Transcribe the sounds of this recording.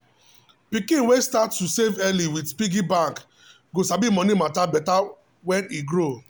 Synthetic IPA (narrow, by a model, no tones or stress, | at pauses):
pikĩnwestattːusevɛliwidspiɡibãŋk | ɡosabimɔnimatabɛta | wɛ̃niɡɹo